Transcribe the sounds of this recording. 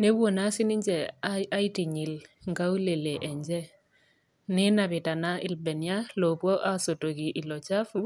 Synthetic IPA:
ne˦wwo˨na˦sɪ˦ni˦ɲd͡ʒɛ˨a˦i˦ti˨ɲi˨lŋɡa˦wu˦le˨le˨ʔɛ˨ɲd͡ʒɛ˦ | nɪ˦na˨βɪ˨ta˨na˦ʔɪ˦˨lbɛ˨nja˦lɔ˨pwɔ˦ʔa˦so˨to˨ki˨ʔi˨lɔ˨t͡ʃa˦fu˦

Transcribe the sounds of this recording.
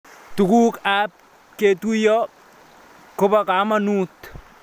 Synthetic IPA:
tu˨ku˦kap̚ | ke˨tujɔ | kʊ˦paka˨˦manuː˦t̪

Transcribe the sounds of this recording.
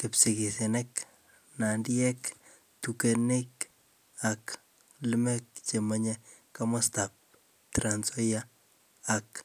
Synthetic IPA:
ke˨psi˨ki˨si˨nɛk | na˨ndiɛ˦k | tuke˨ne˦k | ak | li˦mɛ˦k̚t͡ʃe˨maɲeka˦ma˦stap̚ | tɾa˨nsɔ˦jaː˦ | k

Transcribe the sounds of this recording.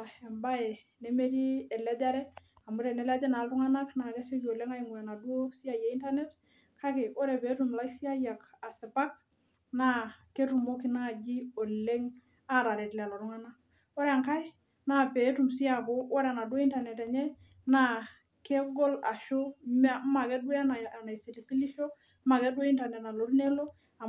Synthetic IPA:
e˨mba˦e˨ | ne˦me˦ɾi˦ɛ˨lɛ˦d͡ʒa˦ɾɛ˦ | a˨mʊ˦ɾɛ˨nɛ˨˦lɛ˦d͡ʒa˦na˨ltʊ˦ŋa˦na˦kna˨ke˦se˦ki˨o˨le˦ŋa˦i˨ŋwa˨na˨du˦o˦si˦a˨ja˨˦i˦nta˦nɛ˦t | kʰa˦ke˨o˦ɾɛ˨pe˨˦tu˨mla˦ksi˦a˦ja˨ka˨sɪ˨pa˦k̚ | na˦ke˦tu˨mo˦ki˦na˦˨d͡ʒi˦o˨le˦ŋ | a˦˨ɾa˨ɾe˨tlɛ˨a˨lo˨ɾʊ˦ŋa˦na˦ | o˦ɾe˨a˨ŋka˦ɪ˦ | na˦˨pe˨˦tu˨msi˦a˨ko˦o˦ɾe˨a˨na˨dwo˦i˦nta˨nɛ˨ta˨ɲɛ˦ | na˦ | ke˦ɡɔ˦la˨ʃo˦ma˦ma˨kɛ˦dwe˦na˨a˨na˨i˨si˨li˨si˦li˦ʃo˦ | ma˨ke˦dwo˦i˦nta˨nɛ˨tna˨lo˨˦ɾne˦lo˦ | a˨

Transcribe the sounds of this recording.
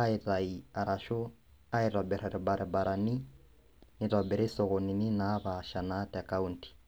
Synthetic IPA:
a˦ɪ˨ta˨ia˨ɾa˨ʃɔ˦ | a˦ɪra˨bɛ˨ɾa˨ɾɛ˨ba˨ɾʔɛ˨ba˨ɾʔani˦ | nɪ˨tabɛɾi˦sɔ˨ɣɔ˨ni˨ni˦naba˨ʃa˨na˦tɛ˨ka˦un̩ti̥˨

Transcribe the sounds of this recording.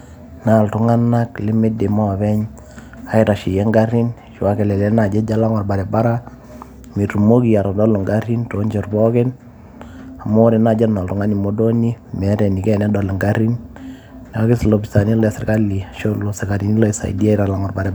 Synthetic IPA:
na˨ltʊ˨ŋa˦na˦klɪ˦me˦de˨ma˦˨βɛ˦ɲ | a˨˦ɪta˨ʃi˨jɛ˦ŋɡa˦ɾi˦n | ʃwa˦ke˨lɛ˨lɛ˦na˨d͡ʒɛ˦d͡ʒa˦la˦ŋɔ˨rba˨ɾɛ˨ba˦ɾa˦ | mi˨tu˨mo˦ki˨ja˨ɾɔ˨dɔ˦lo˨ŋɡa˦ɾi˦nto˨˦ɲt͡ʃɔ˨rbɔ˦kɪ˦n | a˨mo˦ɾe˨na˨d͡ʒɛ˦na˨ltʊ˨ŋa˦ni˨mo˦do˦ni˦mɛ˨˦ɾɛ˨ni˨kɛ˦nɛ˦dɔ˨lo˨ŋɡa˦ɾi˦n | nɛ˨a˦kɪ˦slo˨bi˨sa˨ni˦lɛ˨sɪ˨rka˦li˨ʃo˦lo˨sɪ˨ka˨ɾi˨ni˦lo˦˨i˨sa̰˨ḭ˨di˦a˦ɪ˦ɾa˨la˨ŋɔ˨rba˨ɾɛ˨

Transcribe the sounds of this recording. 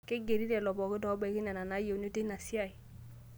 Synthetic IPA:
ke˦ɡe˨ɾi˦dɛ˨lɔ˨bɔ˨kɪ˦dɔ˨˦bɛ˨kɪ˦na˨na˨na˨˦je˨n˦o˦te˦na˨si˦a˨j

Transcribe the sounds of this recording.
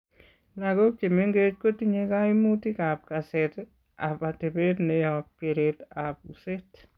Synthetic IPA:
la˨ɡo˦t͡ʃe˨me˦ŋɡe˦t͡ʃko˦ti˦ɲe˦ka˦i˦mu˦ti˦ka˨p̚ka˨set | a̰˨pa˨te˨be˦dne˦ja˨p̚ke˨ɾetap̚use˦t

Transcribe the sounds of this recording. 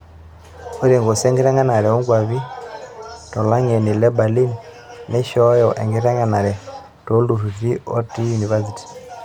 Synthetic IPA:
o˦ɾi˨ŋɡɔ˨sɛ˦ŋɡi˦ɾɛ˦ŋɡa˦na˨ɾɛ˨ɔ˦ŋɡwa˨βi˦ | tɔ˨la˦ŋɛ˨ni˨lɛ˦ba˨li˦n | nɛ˦ʃɔ˦jɔʔɛ̰˨ŋɡi˦ɾɛ˦ŋɡa˦na˨ɾɛ˨ | to˦lu˨ɾu˨θi˦ɔ˦ti˦juni˨va˦si˨ti̥˨

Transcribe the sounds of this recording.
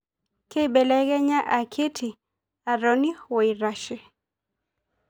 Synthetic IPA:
ke˦bɛ˨lɛ˦ɡɛ˦ɲa˦ʔa˨kʰe˦tʰi˨ | a˨ɾɔ˦ni˦wɔ˨i˨ɾa˦ʃɪ˦

